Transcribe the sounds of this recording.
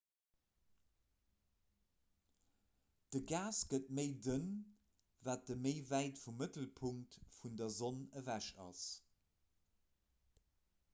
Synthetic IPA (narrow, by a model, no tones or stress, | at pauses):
d̥əɡaːsɡ̥ət̚məɪdən | vaːt̚dəməɪvæɪtfumːətəlpʰuŋktfundɐzonəvæʃɑ̰s